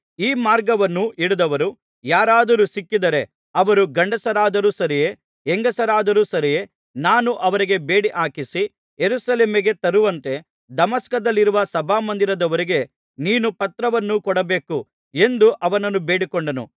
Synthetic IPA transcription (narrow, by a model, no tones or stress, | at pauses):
iːmaːɾɡɐʋɐnːuʔiɽud̪ɐʋɐɾu | jaːɾaːd̪ɐɾusikːid̪ɐɾe̞ | ɐʋɐɾuɡɐɳɖɐsɐɾaːd̪ɐɾusɐɾije | eŋɡɐsɐɾaːd̪ɐɾuːsɐɾije | naːnuʔɐʋɐɾiɡe̞be̞ːɽiʔaːkisi | jeɾusɐleːmiɡe̞t̪ɐɾuʋɐnt̪e̞ | d̪ɐmɐskɐd̪ɐlːiɾuʋɐsɐbʱaːmɐnd̪iɾɐd̪ɐʋɐɾiɡe̞ | niːnupɐt̪ɾɐʋɐnːukɔɽɐbe̞ːku | e̞nd̪uʔɐʋɐnɐnːube̞ːɽikoɳɖɐnṵ